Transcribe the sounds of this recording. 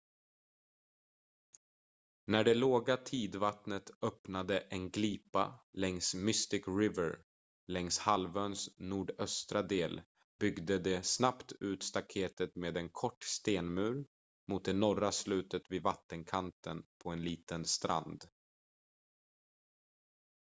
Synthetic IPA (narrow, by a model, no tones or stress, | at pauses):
næɖɛloːɡat̪ʰiːd̪vat̪nət̪œpnad̪əʔɛnɡliːpa̰lɛŋsmʏst̪ɪkɾɪvəɾ | lɛŋshalvœːnsnuːɖœst̪ɾad̪eːl | b̥ʏɡd̪əd̪ɛsnapt̪ʉ̟ːt̪st̪akʰeːt̪ət̪meːd̪ɛnkʰɔʈːst̪eːnmʉ̟ːɾ | mʊt̪̚d̪ɛnɔraslʉ̟ːt̪ət̪vɪvat̪ːənkʰant̪ənpʰɔɛnliːt̪ənst̪ɾa̰nd̪